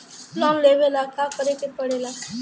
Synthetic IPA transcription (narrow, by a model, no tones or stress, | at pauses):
lɔ̃ːnleːʋelakʰakəɾekepəɽela